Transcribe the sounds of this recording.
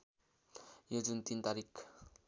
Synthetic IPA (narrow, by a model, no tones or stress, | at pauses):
jod͡zunt̪int̪aɾik